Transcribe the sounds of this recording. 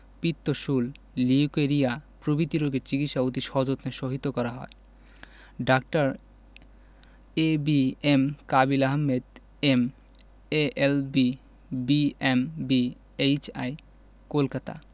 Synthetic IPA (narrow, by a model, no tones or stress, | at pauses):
pit̪ːoʃulː | iukeɾiapɾobit̪iɾoɡet͡ɕikit̪ʃaut̪iʃɔɦd͡ʑot̪neʃoɦit̪okɔɾaɦɔe | ɖak̚ʈaɾ | ebiemkabilaɦmːed̪ | em | eʔelbi | biembi | ejt͡ɕa̰j | kolkat̪a̰